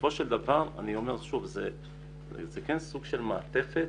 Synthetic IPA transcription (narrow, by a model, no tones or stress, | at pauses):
fo̞ʃeld̪avaʁa̰nio̞meʁʃuvze | zekensuɡʃelmaat̪e̞fe